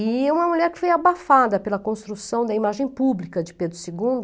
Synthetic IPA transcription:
ɪũmɐmuʎɛɾkɪ̥fojabafad̪ɐpelɐkõst̪ɾusɐ̃w̃d̪ɐimaʒẽj̃publikɐd͡ʒɪped̪ɾʊseɡũnd̪ʊ

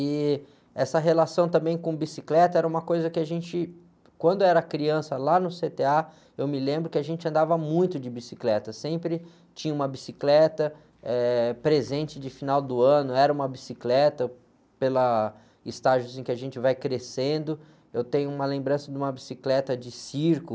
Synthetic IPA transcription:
ɪ | ɛsɐɦelasɐ̃w̃t̪ɐ̃mbẽj̃kõbisiklɛt̪ɐɛɾɐũmɐkojzɐkɪaʒẽnt͡ʃɪ | kwɐ̃nd̪ʊɛɾɐkɾiɐ̃sɐlanʊset̪ea | ewmɪlẽmbɾʊkɪaʒẽnt͡ʃɪɐ̃nd̪avɐmũj̃t̪ʊd͡ʒɪbisiklɛt̪ɐsẽmpɾɪ | t͡ʃĩɲɐũmɐbisiklɛt̪ɐ | ɛpɾezẽnt͡ʃɪd͡ʒɪfinawd̪ʊɐ̃nʊɛɾɐũmɐbisiklɛt̪ɐ | pelɐ | ɪst̪aʒʊzẽkɪaʒẽnt͡ʃɪvajkɾesẽnd̪ʊ | ewt̪ẽɲʊũmɐlẽmbɾɐ̃sɐd̪ɪũmɐbisiklɛt̪ɐd͡ʒɪsiɾkʊ

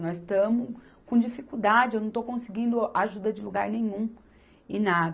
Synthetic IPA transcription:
nɔzst̪ɐ̃mʊkõd͡ʒifikuwd̪ad͡ʒɪewnɐ̃w̃t̪okõsiɡĩnd̪ʊaʒud̪ɐd͡ʒɪluɡaɾnẽɲũ | ɪ̃nad̪

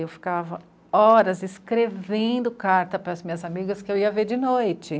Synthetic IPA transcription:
ewfi̥kavɐ | ɔɾɐzɪskɾevẽd̪ʊkaɾt̪ɐpɾɐzmĩɲɐzamiɡɐskɪewiɐveɾd͡ʒɪnojt͡ʃɪ

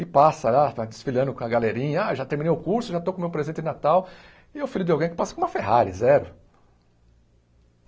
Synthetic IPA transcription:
ɪpasɐlad̪ɪsfilɐ̃nd̪ʊkõɐɡaleɾĩɲɐaʒat̪eɾminejʊkuɾsʊʒat̪owkõmewpɾezẽnt̪ɪɪnat̪aw | ɪewfiʎʊd̪ɪawɡẽj̃kɪpasɐkõũmɐfeɦaɾɪzɛɾʊ

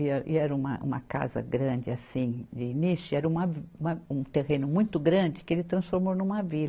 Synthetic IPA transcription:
iɛʔiɛɾɐũmɐ̰ʔṵ̃mɐ̰ka̰zɐ̰ɡɾɐ̃nd͡ʒɪasĩd͡ʒɪinisʊiɛɾɐũmɐũmɐũt̪eɦẽnʊmũj̃t̪ʊɡɾɐ̃nd͡ʒɪkɪelɪt̪ɾɐ̃sfoɾmownũmɐvil

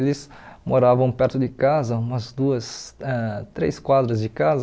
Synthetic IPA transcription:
lɪs | moɾavɐ̃w̃pɛɾt̪ʊd̪ɪkazɐũmɐzd̪uɐsɛt̪ɾḛskwad̪ɾɐzd͡ʒɪkazɐ

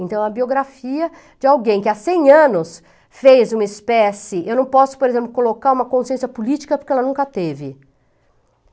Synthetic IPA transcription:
ẽnt̪ɐ̃w̃ɐbioɡɾafiɐ | d͡ʒɪawɡẽj̃kɪasẽj̃ɐ̃nʊs | fejzũmɐɪspɛsɪḛwnɐ̃w̃pɔsʊ̥poɾezẽmplʊkolokaɾũmɐkõsiẽsijɐpulit͡ʃi̥kɐpʊɾkɪɛlɐnũkɐt̪evɪ

